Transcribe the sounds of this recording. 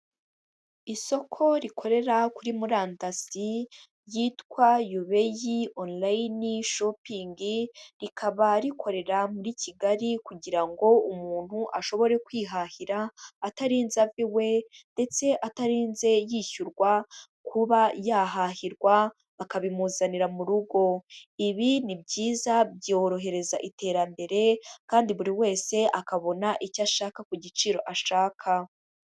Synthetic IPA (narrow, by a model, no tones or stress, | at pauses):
iso̞kʰo̞ɾikʰo̞ɾe̞ɾakuɾimuɾaːntasi | jiːtkwajuβe̞jionlajniʃopiŋɡiɾikʰaβaɾikʰo̞ɾe̞ɾamuɾicʰiɡaɾikuɟiɾaŋɡo̞umuːn̥huʔaʃo̞βo̞ɾe̞kwiːɦahiɾaːtaɾiːnzaviwe̞nde̞t͡se̞ʔataɾiːnze̞jiçuɾɡwa | kʰuβajaɦahiɾɡwa | akaβimuːzaniɾamuɾuɡo̞iβinibɟiːzabjo̞ɾo̞ɦe̞ɾe̞zaʔite̞ːɾambe̞ɾe̞kaːndiβuɾiwe̞ːse̞ʔakaβo̞naʔicaʃaːkakuɟit͡ʃiɾo̞ʔaʃaːkʰa